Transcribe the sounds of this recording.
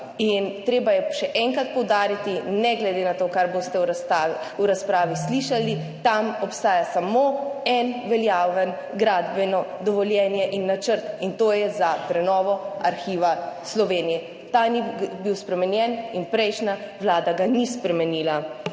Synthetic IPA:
int̪ɾeːbajɛʃɛʔɛŋkɾat̪̚pɔwd̪aːɾit̪inɛɡlɛd̪eːnat̪okaɾbost̪ɛauɾaspɾaːʋisliʃali | t̪amɔpst̪aːjasamoɛnʋɛljaːʋɛn | ɡɾaːd̪bɛnɔd̪ɔʋɔljɛːnjɛʔinːat͡ʃəɾt̪int̪oːjɛzapɾɛnɔːʋɔaɾxiːʋaslɔʋeːnijɛ | t̪anibiwspɾɛmɛnjɛninpɾɛjʃnaʋlaːd̪aɡanispɾɛmɛniːla

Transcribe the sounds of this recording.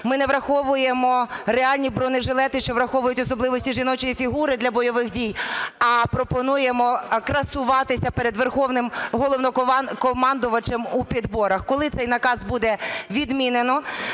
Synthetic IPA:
mɪnɛʋɾɐxɔʋʊjemɔreɑlʲnʲibɾɔnɪʒɪlˠɛt̪ɪʃt͡ʃɔʋɾɐxɔʋʊjʊtʲɔsɔblˠɪʋɔsʲtʲiʒinɔt͡ʃɔjifʲiɦuɾɪd̪lʲɐbɔjɔʋɪxdʲijɐpɾɔpɔnujemɔkɾɐsʊʋɑt̪ɪsʲɐpeɾed̪ʋerxɔʋnɪmɦɔlˠɔwnɔkɔmɑnd̪ʊʋɐt͡ʃemupʲid̪bɔɾɐxkɔlˠɪt̪sɛjnɐkɑzbud̪ɛʋʲid̪mʲinenɔ

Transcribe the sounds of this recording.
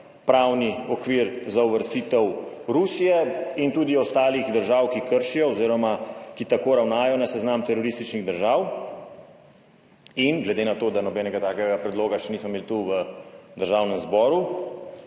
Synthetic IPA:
pɾawniɔkʋiːɾzauʋəɾst̪it̪ɛw | ɾusijɛint̪uːd̪iɔst̪aːliɣd̪əɾʒaːwkikəɾʃijɔːziːɾɔmakit̪akoːɾawnaːjɔnasɛznaːmt̪ɛɾɔɾist̪it͡ʃniɣd̪əɾʒaw | inɡlɛd̪enat̪oːd̪anɔbɛːnɛɡat̪aːkɛɡapɾɛd̪loːɡaʃɛnismɔmeːlt̪uʋəd̪əɾʒaːwnɛmzbɔːɾu

